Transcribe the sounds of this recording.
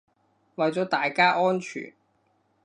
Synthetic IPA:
wɐ˨jt͡sɔː˨˥t̪aː˨jkaː˥ʔɔː˥nt͡ʃʰy̰ː˨˩n

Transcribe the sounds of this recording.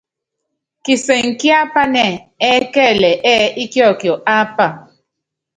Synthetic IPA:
ki˨sɛ˨ŋ̩˨ki˦a˦pa˦nɛ˨ɛ˦kɛ˦˨lɛ˨ʔɛ˦i˦kjɔ˦˨kjɔ˨ʔa˦pa˨

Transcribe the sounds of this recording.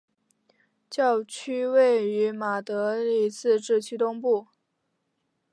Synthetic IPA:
t͡ɕjɑ˥˩˧ʊt͡ɕʰy˥we˥˩ɪy˧˥ma˨˩t̪ɤ˧˥li˥˩t͡sɹ̩˥˧ʈ͡ʂɻ̩˥˩t͡ɕʰy˥t̪ʊ˥ŋpu˥˩

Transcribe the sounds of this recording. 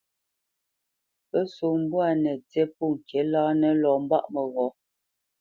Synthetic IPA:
pə˦so˨m̩˦bu˦a˨nɛ˨t͡sɛ˦pu˦˨ŋ̩˨kʰɛ˨˦laː˦nɛ˦lɔ˨m˦ba̰˦ʔmə˨ɣɔ˨˦

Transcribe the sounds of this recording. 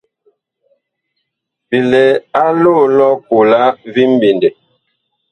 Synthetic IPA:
pi˨le˨a˦lo˦˨lɔ˦ku˨la˦vi˦m̩˦bi˨nde˨

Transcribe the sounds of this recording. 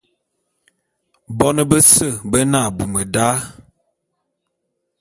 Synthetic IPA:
bɔ˦nə˦bə˦sə˦˨bə˦na˦˨bu˨mə˨da˦

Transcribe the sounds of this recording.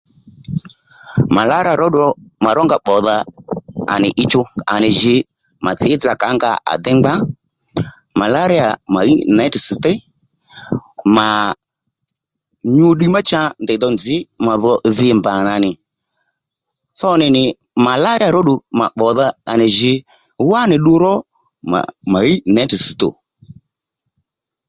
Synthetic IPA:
ma˨la˦ɾa˨ɾɔ˦ɗɔ˦ma˨ɾɔ˦ŋɡa˦ɓɔ˨ða˧a̰˨nɪ˨ʔɪ˧t͡ʃʊ˧a̰˨nɪ˨ʒɪ˧ | ma˨θɪ˨˦d͡za˨ka˨˦ŋɡa̰˧˦ʔa̰˨d̪ɛ˦ŋ͡mɡ͡ba˦ | ma˨la˦ɾɪ˦a˨ma˨ju˦˨na˦tsɪ˨tɛ˦ | ma˨ | ɲu˧˦ɗi˦ma˦t͡ʃa˧ndɛ˨d̪ɔ˧nd͡zɪ˨˦ma˨ðɔ˧ðɪ˧˨mba˨na˨nɪ˨ | θɔ˦nɪ˨nɪ˨ | ma˨la˦ɾɪ˦a˨ɾɔ˦ɗʊ˧ma˨ɓɔ˨ða˧a˨nɪ˨ʒɪ˧ | wa˦nɪ˨ɗu˧ɾɔ˦ | ma̰˨ma˨i˦nɛ˨˦tɪ˨si˨t̪o̰˨

